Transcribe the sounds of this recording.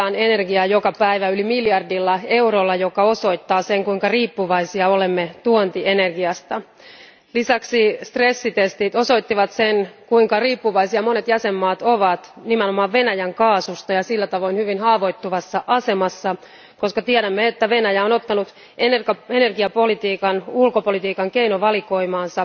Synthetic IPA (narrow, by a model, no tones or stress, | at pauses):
ɑːne̞nerɡiɑjokɑpæiʋæylimiljɑrdilːɑe̞urolːɑjokɑo̞so̞jt̪ːɑːseŋkuiŋkɑriːpːuʋɑisiɑolemːet̪uont̪iʔene̞rɡiɑst̪ɑ | lisɑksist̪resːit̪est̪it̪o̞so̞jt̪ːiʋɑt̪senkuiŋkɑriːpːuʋɑisiɑmo̞net̪jæsemːɑːt̪oʋɑt̪nimenomɑːʋʋe̞næjæŋkɑːsust̪ɑjɑsilːæt̪ɑʋo̞inhyʋinhɑːʋo̞jt̪ːuʋɑsːɑʔɑse̞mɑsːɑ | ko̞skɑt̪iɛɾæmːeet̪ːæʋe̞næjæonot̪ːɑnut̪ | enere̞ne̞rɡiɑpo̞lit̪iːkɑnulkopolit̪iːkɑŋke̞inoʋɑliko̞imɑːnsɑ